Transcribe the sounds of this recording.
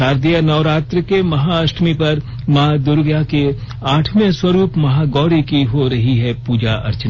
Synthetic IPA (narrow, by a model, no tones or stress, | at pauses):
aːɾd̪ijanɐʋɾaːt̪ɾəkemɐɦaɐʃʈʰmipɐɾ | mɐɦad̪ʊɾɡjake | aːʈʰmẽswɐɾuːpmɐɦaɡɔːɾikiɦoɾɐɦiɦɛpuːd͡ʒaʔɐ̰ɾt͡ʃən